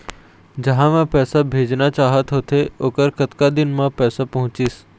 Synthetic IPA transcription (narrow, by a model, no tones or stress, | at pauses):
d͡ʒɐɦãʋɛ̃pɛːsabʱeːd͡ʒnat͡ʃaːɦət̪ɦoːt̪ʰeoːkəɾkɐt̪kad̪ɪnmãpɛːsapɐɦʊ̃t͡ʃiːs